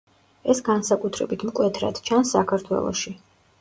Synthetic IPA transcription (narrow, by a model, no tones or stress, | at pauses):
ɛsɡansakʼut̪ʰɾɛbit̪ʰmkʼwɛt̪ʰɾa̰d̪̥t͡ʃʰansːakʰaɾt̪ʰwɛ̰lˠɔ̰ʃi